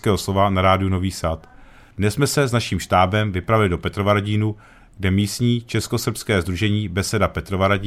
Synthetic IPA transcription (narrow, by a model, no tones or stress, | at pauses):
kɛːɦoslo̞vanaɾaːdɪuno̞viːsat̪ | dnɛsmɛsɛznaʃiːmʃt̪aːbɛmvɪpɾavɪlɪdo̞pɛt̪ɾovaɾaɟiːnu | ɡdɛmiːst̪ɲiːt͡ʃɛsko̞sr̩pskɛːzd̪ɾuʒɛɲiːbɛsɛdapɛt̪ɾovaɾaɟiː